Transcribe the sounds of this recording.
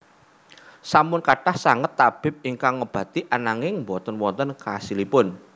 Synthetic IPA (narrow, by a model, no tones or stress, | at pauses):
samʊnkaɖ̥ahsaŋət̪ːab̥ɪ̤p̚iŋkaŋːəb̥ä̤t̪iʔanaŋɪŋmbɔnt̪ənwɔnt̪ənkasilipʊn